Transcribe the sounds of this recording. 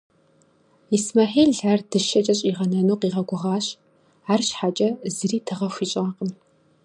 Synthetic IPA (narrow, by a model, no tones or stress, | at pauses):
ismɐħeːɮɮardɨʃɐt͡ʃʼɐɕʼiːʁɐnɐnuːqiːʁɐɡʷʊʁɑːɕ | aːrɕħat͡ʃʼɐzɨriːtʰɨʁɐxʷiːɕʼaːqəm